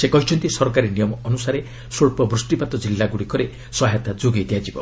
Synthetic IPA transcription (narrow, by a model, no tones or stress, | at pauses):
sekɔɦit͡ʃʰɔnt̪isɔɾɔkaɾinijɔmɔɔnusaɾe | soɭpɔbɾusʈipat̪ɔd͡ʒilːaɡuɽikɔɾe | sɔɦet̪ad͡ʒoɡed̪ijad͡ʒibɔ